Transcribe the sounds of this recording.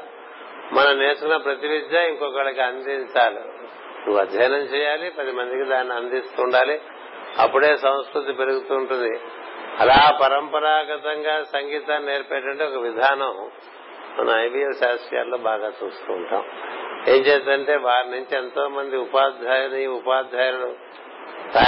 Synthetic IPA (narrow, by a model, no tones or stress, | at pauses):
mɐnɐmneːsukunɐpɾɐt̪iʋid̪jaiŋkɔkɐɭɐkiɐnd̪iɲt͡ʃaːlḭ | nuʋɐd̪ʱjɐjnɐmt͡ʃɛːjaːlipɐd̪imɐnd̪ikid̪aːnːiɐnd̪ist̪uːɳɖaːli | ɐ̰pːuɽe̞ːsɐ̃w̃skɾut̪ipe̞ɾuɡut̪uːɳʈund̪i | ɐlaːpɐɾɐmpɐɾaːɡɐt̪ɐŋɡaːsɐŋɡiːt̪aːnneːɾpɛʈːɐɳʈeɔkɐʋid̪ʱaːnɐm | mɐ̰nʔɐ̰mɐjbijɐlʃaːsija̰ːlːoːbaːɡaːt͡ʃṵːst̪ṵːɳʈa̰ːme̞ːmt͡ʃeːt̪ɐɳʈe̞ːʋaːɾinuɲt͡ʃiɛnt̪o̞ːmɐnd̪iupaːd̪ʱaːjɐniupaːd̪ʱaːjnulu | t̪aː